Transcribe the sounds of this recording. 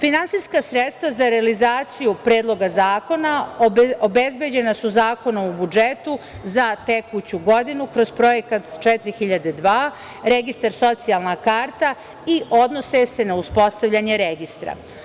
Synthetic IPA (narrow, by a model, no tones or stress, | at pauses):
finansijskasɾet̪st̪ʋazaɾealizaːt̪sijupɾe̞ːd̪lˠo̞ɡazaːko̞naobezbjed͡ʑe̞nasuzaːko̞nomubud͡ʒet̪uzat̪ekut͡ɕuɡo̞d̪inukɾo̞zpɾo̞jekat̪t͡ʃɛt̪ɾixiʎad̪e̞d̪ʋaː | ɾeɡist̪aɾso̞t̪sialˠnakaːɾt̪a | iʔo̞d̪no̞sese̞nauspo̞st̪aʋʎʲaɲe̞ɾeɡist̪ɾa̰